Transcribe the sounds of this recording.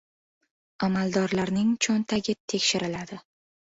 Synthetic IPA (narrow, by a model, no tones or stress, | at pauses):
amalˠd̪ɒɾlaɾnɪŋt͡ʃʰont̪ʰaɡʲɪt̪ʰe̞kʲʃɪɾɪlad̪ɪ